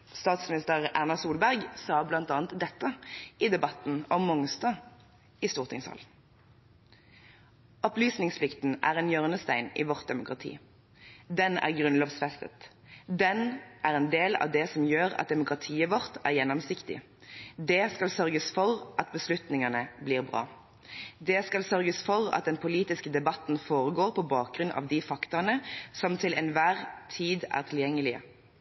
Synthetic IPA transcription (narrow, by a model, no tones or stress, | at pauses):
st̪ɑːt̪smɪnɪst̪əʁæʁnɑsuːlbæʁɡsɑːblɑnt̪ɑːnt̪d̪ɛt̪ːəʔid̪ɛbɑt̪n̩ɔmːʊŋst̪ɑ | ɪst̪uːʁt̪ʰɪŋshɑ̰l | ɔplyːsnɪŋspʰlɪkt̪n̩ʔæ̰ːʁɛnjœʁnəst̪æɪnḭːʋɔʁt̪̚d̪ɛmʊkʁɑt̪ʰḭː | d̪ɛnæ̰ːʁɡʁʉnloːʋsfɛst̪ə̰t̪ | d̪ɛnʔæʁɛnd̪eːlɑ̰ʋd̪ɛsɔmjøːʁɑ̰t̪̚d̪ɛmʊkʁɑt̪ʰiːəʋɔʁt̪æ̰ʁjɛnːɔmsɪkt̪ɪ̰ | d̪ɛskɑlsœʁɡəsfɔʁʔɑt̪̚bəslʉt̪nɪŋɑnəbliːʁbʁɑ̰ː | d̪ɛskɑlsœʁɡəsfɔʁɑ̰t̪̚d̪ɛnpʰʊliːt̪ɪskəd̪ɛbɑt̪n̩foːʁəɡoːʁpʰɔbɑːk̚ɡʁʉnʔɑ̰ːʋd̪ifɑkt̪ʊnəsɔmt̪ʰɪlʔɛnʋæːʁt̪ʰiːd̪æ̰ːʁt̪ʰɪljɛŋːəlɪə̰